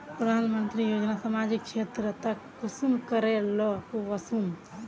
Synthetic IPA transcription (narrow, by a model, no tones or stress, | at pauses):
ppɾəd̪ʱanmənt̪ɾijod͡ʒnasamad͡ʒikt͡ʃʰet̪ɾət̪əkːusumkəɾɛlɔoʋəsum